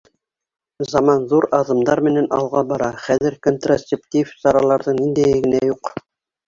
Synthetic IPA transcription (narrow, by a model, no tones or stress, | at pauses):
zɑmɑnðuɾɑðɤ̆md̪ɑɾmɘ̆nænɑ̰lˠʁɑbɑɾɑχæðɘ̆ɾkont̪rosʲeptʲifsɑɾɑlˠɑɾðɤɴnind̪æjɘ̆ɡɘ̆næjuq